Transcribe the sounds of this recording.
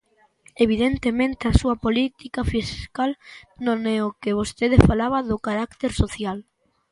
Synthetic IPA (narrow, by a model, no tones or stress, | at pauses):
eβ̞iðent̪emẽnt̪easuɐpolit̪ikafiskalnõŋɛʊkɪβ̞ost̪eðefalaβɐðʊkaɾakt̪eɾsoθjal